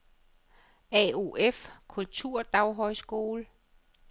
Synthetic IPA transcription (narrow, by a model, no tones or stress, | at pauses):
ɛo̝ʔefkʰult͡sʰuɐ̰d̥ɑ̈ʊɦɒɪsɡ̥o̝ːlə